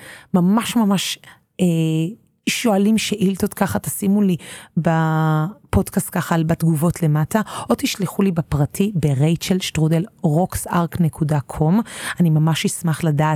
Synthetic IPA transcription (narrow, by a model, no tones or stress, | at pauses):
mamaʃmamaʃ | e | ʃoalimʃeʔilt̪ot̪kaχat̪asimuliba | po̞dkast̚kaχalbatɡuvo̞tʰle̞mataʔot̪iʃliχulibapʁatʰibeʁejtt͡ʃelʃtʁudelʁoksaʁkne̞kʰudakʰo̞manimamaʃismaχladaːt